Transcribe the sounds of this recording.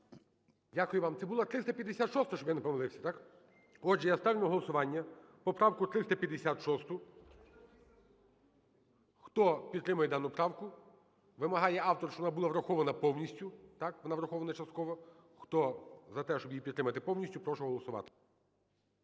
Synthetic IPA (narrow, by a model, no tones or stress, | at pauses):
dʲakʊjʊʋɑmt̪sɛbʊlˠɐt̪ɾɪst̪ɐpʲjɐd̪esʲat̪ʃɔst̪ɔʃt͡ʃɔbjɛnepɔmɐlˠɪwsʲɐ̥t̪ɑk | ɔd͡ʒɛjast̪ɑʋʲnʲʊɦɔlˠɔsʊʋɑnʲːɐpɔpɾɑwkʊt̪ɾɪst̪ɐpʲjɐd̪esʲat̪ʃɔst̪ʊ | xt̪ɔpʲid̪ɾɪmɐjɛd̪ɑnʊpɾɑwkʊ | ʋɪmɐɦɑjɛɑwt̪ɔrʃt͡ʃɔʋɔnɑbulˠɑʋɾɐxɔʋɐnɐpɔwnʲisʲtʲʊt̪ɑkʋɔnɑʋɾɐxɔʋɐnɐt͡ʃɐst̪̚kɔʋɔ | xt̪ɔzɐt̪ɛʃt͡ʃɔbjipʲid̪t̪ːɾɪmɐt̪ɪpɔwnʲisʲtʲʊpɾɔʃʊɦɔlˠɔsʊʋɑ̰t̪ɪ̥